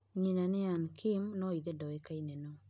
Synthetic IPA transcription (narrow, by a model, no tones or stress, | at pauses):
ɲinaneankʰimnɔiðedɔekainenɔ